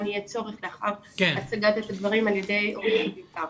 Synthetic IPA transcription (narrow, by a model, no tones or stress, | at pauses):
niɛt͡so̞ʁeχleaχavkat͡saɡat̪et̪lad̪vaʁimaljede̞joibitav